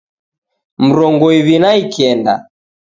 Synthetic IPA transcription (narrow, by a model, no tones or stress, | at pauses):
m̩ɾɔŋɡɔiβinaikʰɛnda̰